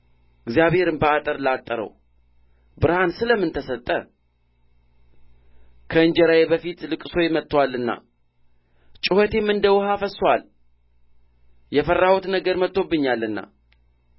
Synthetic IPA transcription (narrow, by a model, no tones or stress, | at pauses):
ɨɡzijaβhe̞ɾɨmbəat̪ʼəɾlat̪ʼːəɾə̰w | bɨɾhansɨləmːɨnt̪ʰəsət̪ʼːə | kʰəɨnd͡ʒɛɾawebəfit̪lɨkʼɨso̞jɛmət̪ːwalːɨnːa̰ | t͡ʃʼɪhot̪ʰe̞mːɨnd̪əwhafəswal | jɛfərːahot̪nəɡəɾmət̪ʼːo̞bːɨɲːalːɨnːa̰